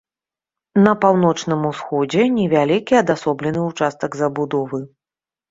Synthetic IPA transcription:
nɐpawn̪ɔt͡ʂnɨmusxɔd͡zʲɛnʲɛvʲalʲikʲiɐd̪asɔblʲɛnɨut͡ʂast̪ɐɡzɐbud̪ɔvɨ

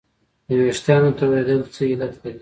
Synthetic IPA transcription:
nəweʂt̪jɑnot̪awɾed̪əlt͡səilat̪laɾi

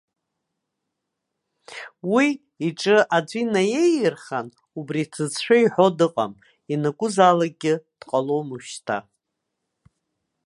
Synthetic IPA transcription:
wiː | ʈ͡ʂʼɨʔad͡zʷinaje̞jɨrχan | ubrit͡sʰɨt͡sħʷᶣaiħo̞dɨqʼam | inaɡʷʼʊzalaɡʲɪd̥qʼalo̞mɨʃtʰa̰

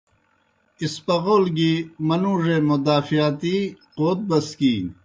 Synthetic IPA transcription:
ispɐɣoːlɡimɐnuːʐemod̪aːfijat̪iqoːt̪̚bɐskiː

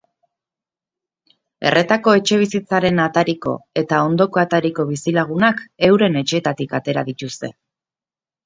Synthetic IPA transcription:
e̞̰rʔe̞t̪ako̞e̞t͡ʃe̞β̞isit͡saɾe̞nat̪aɾiko̞̰e̞t̪ao̞nd̪o̞ko̞at̪aɾiko̞β̞isilaɣ̞unake̞wɾe̞ne̞t͡ʃe̞ːt̪at̪ikat̪e̞ɾa̰ðit̪ust̪e̞̰

